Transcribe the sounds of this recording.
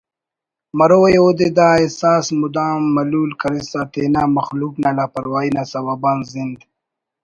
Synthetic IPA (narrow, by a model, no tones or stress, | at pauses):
mɐɾojod̪ed̪aːesaːsmud̪aːmːɐluːlkɐɾisaːt̪eːnamɐxluːknaːlaːpɐɾwaːinasawaːbaːnzind̪